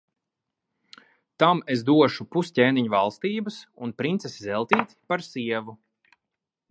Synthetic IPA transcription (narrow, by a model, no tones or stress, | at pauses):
t̪amezd̪uɔʃupuscʲeːniɲuva̰lˠst̪iːbəsunpɾint̪sesizɛlˠt̪iːt̪ʲpaɾsiɛvu